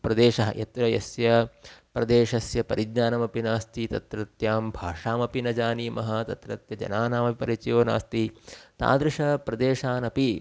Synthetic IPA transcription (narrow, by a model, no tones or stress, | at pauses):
pɾɐd̪eːʂɐɦɐ̰ʔɐt̪ɾɐjɐ̰sjɐpɾɐd̪eːʂɐsjɐpɐɾid̪ɲaːnɐmɐpinaːst̪it̪ɐt̪ɾɐt̪jaːmbʱaːʂaːmɐpinɐd͡ʒaːniːmɐɦɐt̪ɐt̪ɾɐt̪jɐd͡ʒɐ̰naːnaːmɐpipɐɾit͡ʃɐjoːna̰ːst̪it̪a̰ːd̪ɾuʂɐpɾɐd̪eːʂaːnɐpi